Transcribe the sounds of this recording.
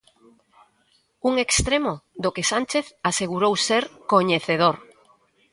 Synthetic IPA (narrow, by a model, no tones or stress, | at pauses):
uŋekst̪ɾemoðokesant͡ʃeθaseɣuɾowseɾkoɲeθeð̞oɾ